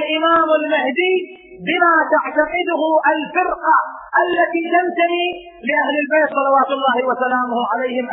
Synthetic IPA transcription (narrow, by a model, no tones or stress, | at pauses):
lʔɪmaːmɪlmahd̪iː | bɪmaːt̪aʕt̪aqɪd̪ʊhʊʔalfɪɾqaʔalːat̪iːt̪ant̪aniː | lɪʔahlɪlbeːt̪sˤɑlɑwaːt̪ʊlˤːaːhɪwasalaːmʊhʕalejːhɪmʔ